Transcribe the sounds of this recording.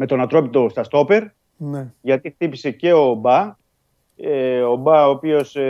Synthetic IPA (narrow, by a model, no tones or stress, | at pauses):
me̞t̪o̞nɐt̪ɾo̞pit̪ost̪ɐst̪o̞pe̞ɾ | neʝɐt̪ixt̪ipise̞ce̞obɐ | eo̞bɐoːpio̞s